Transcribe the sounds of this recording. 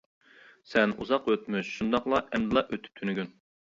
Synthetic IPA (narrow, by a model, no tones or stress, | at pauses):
sɛnṵzɑqøt̪myʃʃund̪ɑqlˠɑʔɛmd̪ɨlˠɑʔøt̪ʰy̥p̚t̪ʰynyɡʲyn